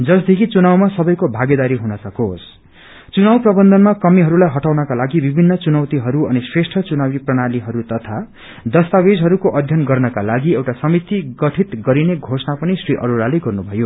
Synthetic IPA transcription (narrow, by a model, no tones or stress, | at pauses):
d͡zʌsd̪ʱekʰit͡sunawmasʌbʌjkobʱaɡed̪aɾiɦunʌsʌkos | t͡sunawprʌbʌnd̪ʱʌnmakʌmiɦʌɾulajɦʌʈawnʌkalaɡibibʱinːʌt͡sunʌwt̪iɦʌɾuʌnisresʈʰʌt͡sunawiprʌɽ̃aliɦʌɾut̪ʌt̪ʰa | d̪ʌst̪awed͡zɦʌɾukoʔʌd̪ʱjʌnɡʌrnʌkalaɡiewʈasʌmit̪iɡʌʈʰit̪ɡʌɾineɡʱosnapʌnisriʔʌ̰ɾulaleɡʌrnubʱʌjo